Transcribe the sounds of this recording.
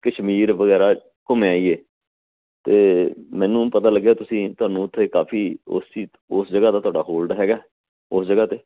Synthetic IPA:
kəʃmiːɾʋəɡɛːɾaː | kʊmẽaːiːeː | t̪eːmɛ̃ːnũːpət̪aːləɡːeaːt̪ʊsĩːt̪ʊaːnũːʊt̪ʰːeːkaːpʰiːo̰siː | osd͡ʒəɡaːt̪aːt̪ʊaːɖaːɦoːlɖɦɛːɡaː | osd͡ʒəɡaːt̪eː

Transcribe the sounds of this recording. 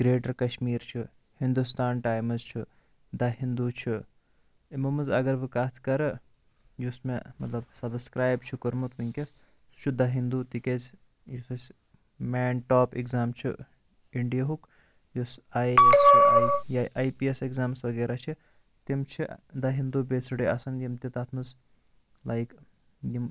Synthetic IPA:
ɡ̥ɾeːʈɐɾkɐʃmiːɾt͡ʃʰi | hind̪ust̪aːnʈaːjmɐzt͡ʃʰi | d̪ɐɦind̪ut͡ʃʰi | imɐmɨzɐɡɐɾʋɨkaːt͡sʰkɐɾɨ | jusmemɐt̪lɐbsɐbskɾaːjbt͡ʃʰukəɾmut̪ʋiŋkʲɐs | su̥t͡ʃʰud̪ɐɦind̪ut̪ikez | jusɐs | meːnʈoːpḛkzaːmt͡ʃʰi | iɳɖijɐɦuk | jusaːjsajjaʔaːjpiesekzaːmsʋɐɡeːɾat͡ʃʰi | t̪imt͡ʃʰid̪ɐɦind̪ubesɨɖiɐ̰sɐnjimt̪it̪at̪ʰmɨz | lajk | jim

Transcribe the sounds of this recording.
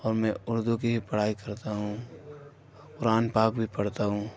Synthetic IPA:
ɔːɾmɛ̃ʊɾd̪ukibʱipɐɽ̤aːikɐɾt̪aɦũ | pʊɾaːnpaːkbʱipɐɽt̪aɦũː

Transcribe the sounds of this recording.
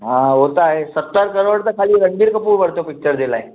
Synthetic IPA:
ɦãɦot̪aɦɛsət̪ːəɾkəɾoːɽt̪əkʰːaːliɾəŋɡiɾkəpuːɾbəɽt̪opɪk̚t͡ʃəɾd̪elaɦɛ

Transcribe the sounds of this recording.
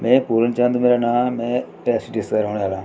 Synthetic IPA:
mɛ̃ːpuːɾənt͡ʃãːnd̪umeːɾaːnãːmɛ̃ːʈɛːsiʈɪsaːɾɦoːneaːlaː

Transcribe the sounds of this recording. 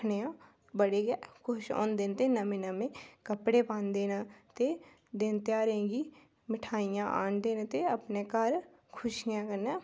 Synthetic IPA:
nejã | bəɽeɡɛkʰʊʃɔ̰ːnd̪ent̪enɐmẽnɐmẽkəpɽepãːnd̪eːnat̪e | d̪eːnt̪eaɾẽːɡi | mɪʈʰaːijãʔa̰ːnd̪eːnet̪eɐpnekəɾ | kʰʊʃjãkəɾnɛ

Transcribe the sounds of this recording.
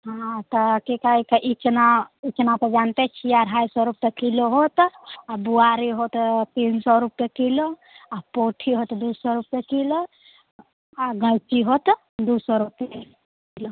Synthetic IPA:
ɦãt̪ɔkikaikeʔit͡ʃnait͡ʃnap̪ed͡ʒant̪et͡ʃʰiaɾɦajsɔɾupekiloɦot̪abuaɾiɦot̪t̪iːnsɔɾupjekilo | apoʈʰiɦot̪d̪usɔɾupjekilo | aɡət͡ʃiɦot̪ | d̪usɔɾupe | kilo

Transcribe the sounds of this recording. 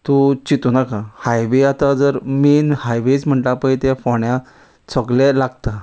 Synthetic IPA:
t̪ot͡ɕit̪unakãhajʋeat̪ad͡zəɾmenhajʋet͡sm̤əɳʈ̪apait̪ɛ̃fɔɳja | səɡlɛ̃laɡt̪a

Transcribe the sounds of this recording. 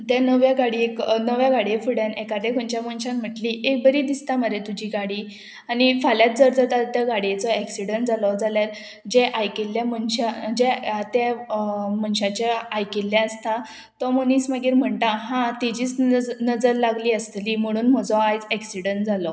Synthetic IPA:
t̪janəʋjaɡaɽieknəʋjaɡaɽefuɽanɛkad̪ekʰɔnt͡ɕjamənɕãnm̤əʈliʔek̚bəɾiːd̪ist̪aməɾet̪ud͡ʑiːɡaɽiː | anifaljat̪̚d͡zɔɾd͡zat̪at̪t̪jaɡaɽet͡sɔɛksiɽəɳʈ̚d͡zalɔd͡zaljaɾ | d͡ʑeʔajkelːjamənɕad͡ʑet̪e | mənɕat͡ɕaajkelːjaəst̪a | t̪ɔməniːsməɡiːɾm̤əɳt̪aɦãt̪id͡ʑiːt͡snəd͡zəɾlaɡliːəst̪liːm̤əɽ̃uːnm̤ɔd͡zɔajd͡zɛksiɽəɳʈ̚d͡zalɔ

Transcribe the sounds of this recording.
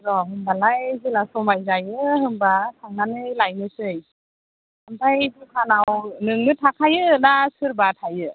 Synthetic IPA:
ɾɔɦɯmbalajzilasɔmajzajɯhɯmbatʰaŋanɯlajmɯsɯj | amtʰajbukʰanawnɯŋnɯtʰakʰajɯnasɯɾbatʰajɯ

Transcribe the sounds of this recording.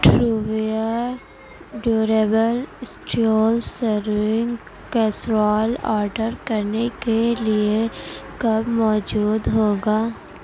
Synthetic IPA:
ʈɾuːʋijəɾ | ɖjuːɾeːbəlsʈioːlsəɾʋɪ̃ŋɡ | kɛsɾɔːlɔ̰ːɾɖəɾkɐɾnekeliekɐbmɔːd͡ʒuːd̪ɦoːɡaː

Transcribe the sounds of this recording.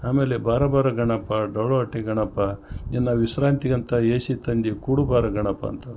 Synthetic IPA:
aːmeːlebaːɾɐbaːɾɐɡɐɳɐpːɐɖɐwɭoɐʈːeɡɐɳɐpːɐenːɐʋisɾaːnt̪iɡɐnt̪ɐeːsit̪ɐnd̪ikuːɽubaːɾɐɡɐɳɐpːɐ̰ːnt̪ɐ

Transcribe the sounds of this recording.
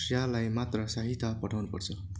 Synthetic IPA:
sjalajmat̪rʌsaɦit̪ʰːapʌʈʰawnupʌrt͡sʰʌ

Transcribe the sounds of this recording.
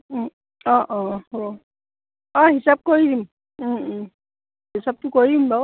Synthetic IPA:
ɔ̃ʔɔ̃ho | ɔ̃ɦisab̚koɹidim̩ | ɦisab̚tʊkoɹiimbaw

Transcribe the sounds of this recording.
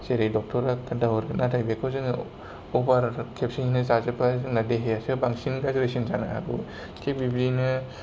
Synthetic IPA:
seɾejdɔk̚tʰɔɾaadawɔɾɯnatʰajbekʰɯzɯŋ | ɔbaɾkʰep̚siŋnɯzazɯpazɯŋnadeɦejasɯbaŋsinɡazɾesinzanaɦa̰ɡṵ | kʰek̚bibɾinɯ

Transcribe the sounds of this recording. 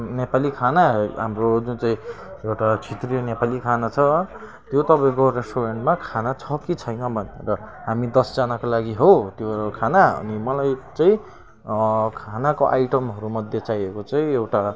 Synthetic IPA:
nepalikʰanaɦamrod͡zũt͡saĩ | ewʈat͡sʰit̪rijonepalikʰanat͡sʰʌ | t̪jot̪ʌpaẽkoɾesʈoɾeɳʈmakʰanat͡sʰʌkit͡sʰʌjnʌbʱʌnerʌɦamid̪ʌsd͡zanakolaɡiɦot̪jokʰanaʌ̰nimʌlajt͡saĩ | kʰanakoʔajʈʌmɦʌɾumʌd̪ʱjet͡sajekot͡saĩewʈa

